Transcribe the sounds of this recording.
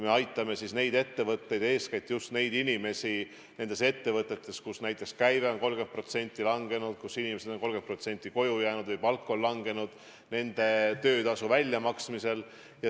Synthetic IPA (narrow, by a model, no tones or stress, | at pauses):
me̞ɑjt̪ˑːɑme̞sisne̞jd̪e̞t̪ːe̞vɤt̪ːe̞jd̪e̞ːskæjt̪ːˑjust̪ne̞jd̪inʲime̞si | ne̞nd̪̥e̞se̞t̪ːe̞vɤt̪ːˑe̞t̪ˑːe̞skusnæjt̪ːˑe̞kskæjveo̞nko̞lɡ̥e̞npro̞t̪se̞nʲt̪ʲːˑilɑŋɡe̞nud̪̥kusinʲime̞sed̪o̞nko̞lɡempro̞t̪se̞nʲt̪ʲːˑiko̞jujæːnud̪̥vɯjpɑlkːˑo̞llɑŋɡ̥e̞nud̪̥ | ne̞nd̪̥e̞t̪ø̞ːd̪ɑsuvælʲjɑmɑksmise̞l | jɑ